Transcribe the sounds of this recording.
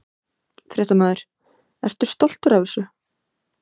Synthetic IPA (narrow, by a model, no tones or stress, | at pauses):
fɾɛːt̪amaːðɪɾ̥ | ɛ̰ɾ̥t̪ʏ̥st̪ɔl̥t̪ʏɾavɪsʏ